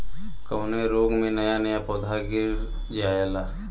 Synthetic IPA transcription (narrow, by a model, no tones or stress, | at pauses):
kɐwnẽɾoːɡmẽnɐjanɐjapɔːd̪ʱaɡɪɾ | d͡ʒaːjelaː